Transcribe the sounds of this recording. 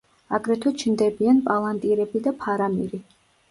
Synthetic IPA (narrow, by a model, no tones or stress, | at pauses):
aɡɾɛt̪ʰut͡ʃʰnd̪ɛbianpʼalˠant̪ʼiɾɛbid̪apʰaɾamiɾi